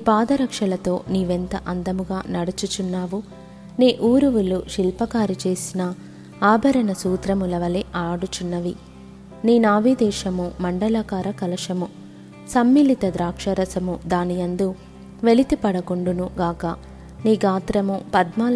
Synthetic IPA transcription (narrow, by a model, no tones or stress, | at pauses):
iːpaːd̪ɐɾɐkʂɐlɐt̪o̞ːniːʋent̪ɐ̰ʔɐnd̪ɐmuɡaːnɐɽut͡ʃut͡ʃunːaːʋu | neːʔuːɾuʋuluʃilpɐkaːɾit͡ʃe̞ːsinɐ | aːbʱɐɾɐnɐsuːt̪ɾɐmulɐʋɐleʔaːɽut͡ʃunːɐʋi | niːnaːʋid̪ɛːʃɐmumɐɳɖɐlaːkaːɾɐkɐlɐʂɐmu | sɐmːiːlit̪ɐd̪ɾaːkʂɐɾɐsɐmud̪aːnijɐnd̪u | ʋe̞lit̪ipɐɽɐkoɳɖunuɡaːkɐ | niːɡaːt̪ɾɐmupɐd̪maːl